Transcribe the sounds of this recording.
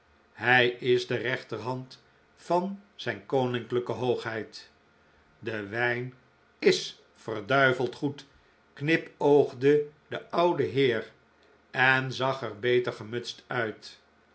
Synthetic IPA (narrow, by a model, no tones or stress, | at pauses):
ɦɛjɪzdərɛχtərɦɑnt | fɑnz̥ɛjnkownɪŋkləkəɦowχɦɛjt | dəʋɛjn | ɪs | fərdœɥvəlˠtχut | knɪpowχdədəɑwdəɦɪːr | ɛnzɑχəɹbejtəɹχəmɵtstœɥt